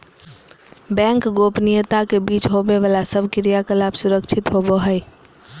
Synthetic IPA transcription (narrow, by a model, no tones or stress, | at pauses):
bɛ̃ŋkɡopnijət̪akebiːt͡ʃɦobeʋəlasəbʱkɪɾijakəlaːbsʊɾəkt͡ʃʰɪt̪ɦoboɦəɪ